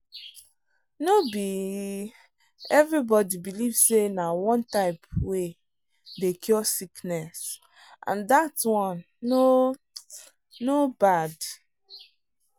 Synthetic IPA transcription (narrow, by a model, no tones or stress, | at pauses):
nobi | ɛvɹibɔdibilivsenawɔ̃ntaɪpwe | dekʰjɔsiknɛs | ʔã̰ndatwɔ̃nː | o | obad